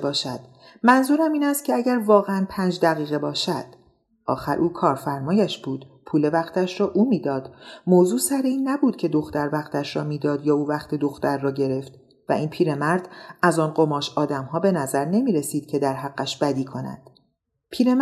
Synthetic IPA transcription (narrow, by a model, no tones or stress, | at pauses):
bɒːʃæd̪̥ | mænzuːɾæmiːnæst̪̚cʰeæɟæɾvɒːɣeænpʰænd͡ʒd̪æɣiːɣebɒːʃæd̪̥ | ʔɒ̰ːxæɾʔuːkʰɒːɾfæɾmɒːjæʃb̥uːd̪̥ | pʰuːle̞væxt̪ʰæʃɾɒːʔuːmiːd̪ɒːd̪̥moːzuːsæɾeiːnːæbuːd̪̥cʰe̞d̪o̞xt̪æɾvæxt̪ʰæʃɾɒːmiːd̪ɒːd̪jɒːuːvæxt̪ʰe̞d̪o̞xt̪æɾːɒːɟe̞ɾe̞ft̪ | væ̰iːnpʰiːɾe̞mæɾd̪̥æzɒːnɢomɒːʃɒːd̪æmhɒːbe̞næzæɾne̞miːɾe̞siːd̪̥cʰe̞d̪æɾɦæɡːæʃb̥æd̪iːkʰo̞næ̰d̪̥ | pʰiːɾe